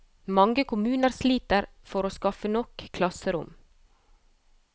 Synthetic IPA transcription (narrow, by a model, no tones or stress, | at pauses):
mɑŋɡəkʰʊmʉːnəɾsliːt̪əɾfɔɾoːskɑfənɔkkʰlɑsəɾʊ̰m